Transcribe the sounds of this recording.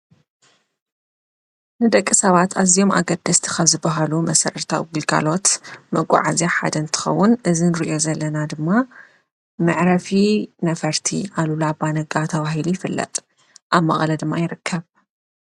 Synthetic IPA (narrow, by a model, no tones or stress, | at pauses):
nɨd̪ɐkʼːisɐβat̪ʰazijo̞mʔa̰ɡɐd̪ɐst̪ʰi̥kʰaβzɨbɐɦalumɐsɐɾɐt̪ʰa̰wɡɨlɡa̰lo̞t̪mɐɡʷʼa̰ʕa̰zaħa̰d̪ɐnt̪ʰɨ̥xɐ̰wːʊnʔɨzinɨɾiʔo̞zɐlːɐnad̪ɨmːa | mɨʕɾɐfinɐfɐɾt̪ʰḭʔalulabanɐɡat̪ʰɐβahilujɪfɨlːɐ̰t̪ʼ | ʔaβmɐχʼlɐd̪ɨmːajɪɾɨkʰːɐβ